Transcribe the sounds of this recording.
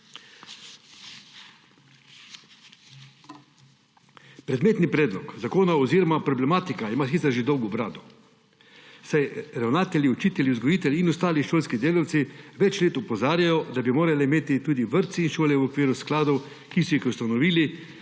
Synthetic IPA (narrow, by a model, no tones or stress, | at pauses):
pɾɛd̪meːt̪nipɾɛːd̪lɔkzakoːnaoziːɾɔmapɾɔblɛmaːt̪ikaimaːsiːsəɾʒid̪owɡɔbɾaːd̪ɔ | sajɾawnaːt̪ɛlʲjiɔt͡ʃiːt̪ɛlʲiuzɡɔjiːt̪ɛlʲinɔst̪aːliʃoːlskid̪eːlaw̪siʋɛt͡ʃleːt̪upɔzaːɾjajɔd̪abimoːɾaliimeːt̪it̪uːd̪iʋəɾt̪siinʃoːljɛwɔkʋiːɾusklaːd̪ow | kisɔjixust̪anɔʋiːli